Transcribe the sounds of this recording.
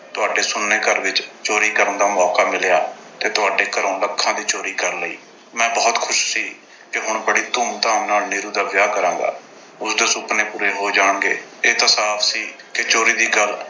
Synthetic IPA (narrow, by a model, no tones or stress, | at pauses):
t̪ʊaːɖeːsʊnːeːkəɾʋɪt͡ʃt͡ʃoːɾiːkəɾənd̪aːmɔːkaːmɪljaː | t̪eːt̪ʊaːɖeːkəɾõːləkʰːãːd̪iːt͡ʃoːɾiːkəɾləḭː | mɛ̃ːbɔːt̪kʰʊʃsiː | kɪɦʊɳbəɽiːt̪ʊːmt̪ãːmnaːlnɪiːɾuːd̪aːʋjaːkəɾãːŋɡa̰ː | ʊsd̪esʊpneːpuːɾeːɦoːd͡ʒaːɳɡḛːeːt̪aːsaːpʰsiː | kɪt͡ʃoːɾiːd̪iːɡəl